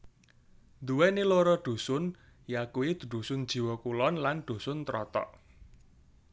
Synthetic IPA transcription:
d̪uwɛniloɾɔɖ̪̥ṳsʊn | jakuwid̪̥ṳɖ̪̥ṳsʊnd̥ʒ̥i̤wɔkulɔnlanɖ̪̥ṳsʊnt̪ɾɔt̪ɔ̰ʔ

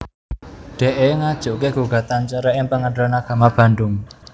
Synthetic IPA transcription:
ɖ̥e̤ʔeŋad̥ʒ̥o̤ʔkeɡ̥o̤ɡ̥a̤t̪ant͡ʃəɾəʔɪŋpəŋəndɾənaɡ̥a̤mab̥a̤nɖʊŋ

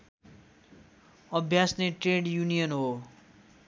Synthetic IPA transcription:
ʌbʱjasneʈreɽjunijʌnɦo

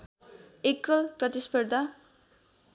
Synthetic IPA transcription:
ekːʌlprʌt̪ispʌrd̪ʱa

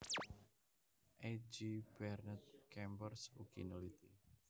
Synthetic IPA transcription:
ʔad͡ʒib̥ɛrnət̪̚kɛmbərsṵkḭnolit̪i

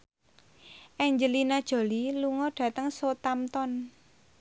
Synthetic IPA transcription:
ʔɛɲd͡ʒəlinad̥ʒ̥o̤liluŋɔɖ̥a̤t̪əŋsot̪amt̪ɔn

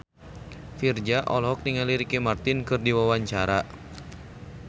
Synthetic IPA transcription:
fird͡ʒaʔɔlɦɔk̚niŋaliɾikɛmart̪inkɨrdiwawaɲt͡ʃaɾa

